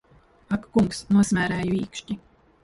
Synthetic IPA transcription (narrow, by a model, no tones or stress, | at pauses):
akːuŋksnuɔsmʲæːɾæːjuiːkʃti